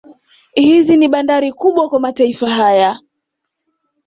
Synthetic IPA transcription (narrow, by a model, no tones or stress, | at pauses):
hiziniɓandaɾikuɓwakwamataifaɦaja